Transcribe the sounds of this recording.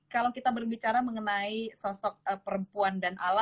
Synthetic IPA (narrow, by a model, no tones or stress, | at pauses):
kalawkit̪abərbit͡ʃaɾaməŋənaisɔsɔk̚əpəɾəmpuandanʔala